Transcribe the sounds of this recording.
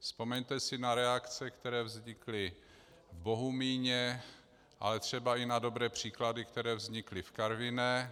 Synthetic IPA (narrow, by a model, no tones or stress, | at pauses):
spo̞mɛɲt̪ɛsɪnaɾɛakt͡sɛkt̪ɛɾɛːvzɲɪklɪ | vbo̞ɦumiːɲɛ | ʔa̰lɛt̪r̝̥ɛbaɪnado̞bɾɛːpr̝̥iːkladɪkt̪ɛɾɛːvzɲɪklɪfkaɾvɪnɛ